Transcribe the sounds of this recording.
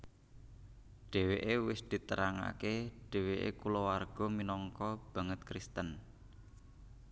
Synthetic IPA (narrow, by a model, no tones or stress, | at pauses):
ɖ̥e̤weʔewɪsd̪̥i̤t̪əɾaŋa̰keɖ̥e̤weʔḛkulɔwarɡ̥ɔ̤minɔŋkɔb̥ä̤ŋət̪kɾist̪ən